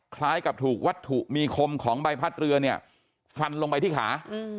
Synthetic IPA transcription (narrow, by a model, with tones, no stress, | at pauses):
kʰlaː˦˥jka˨˩p̚t̪ʰuː˨˩k̚wa˦˥t̪ʰːu˨˩ʔmiː˧kʰo˧mkʰɔː˩˦ŋba˧jpʰa˦˥t̪̚ɾɯ˧ɐni˥˩ɐ | fa˧nlo˧ŋpa˧jt̪iː˥˩kʰa̰ː˩˦˧